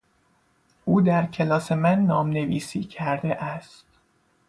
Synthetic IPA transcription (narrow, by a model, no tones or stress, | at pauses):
ʔuːd̪æɾcʰe̞lɒːse̞mænːɒːmne̞viːsiːcʰæɾd̪e̞ʔæst̪